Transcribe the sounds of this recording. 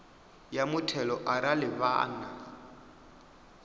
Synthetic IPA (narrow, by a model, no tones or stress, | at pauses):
jamʊtʰɛlɔʔaɾalɪβa̰ːna